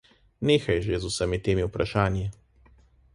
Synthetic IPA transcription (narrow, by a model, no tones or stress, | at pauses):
neːxajʒezusɛmit̪eːmiwpɾaʃaːnji